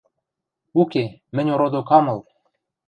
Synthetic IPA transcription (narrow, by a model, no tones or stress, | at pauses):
ukemɘ̆nʲoɾod̪okɑmɤ̆lˠ